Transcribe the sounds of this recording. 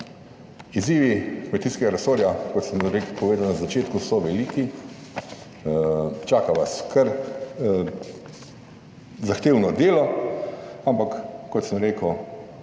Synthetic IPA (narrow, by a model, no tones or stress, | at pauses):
iziːʋikmet̪iːskɛɡaɾɛsoːɾjakɔt̪səmɾekpɔʋeːd̪awnazat͡ʃeːt̪kusɔʋɛliːki | t͡ʃaːkaʋaskʰəɾ | zaxt̪eːwnɔd̪eːlɔ | ampakːɔt̪səmɾeːkəw